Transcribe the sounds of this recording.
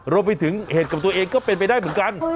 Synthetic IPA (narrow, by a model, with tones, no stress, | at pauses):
ɾoː˧mpa˧t̪ʰɯ˩˦ŋheː˨˩ka˨˩t̪u˧ɐ˧ʔeː˧ŋkɔː˥˩pe˧npa˧jdaː˥˩jmɯ˩˦nka˧n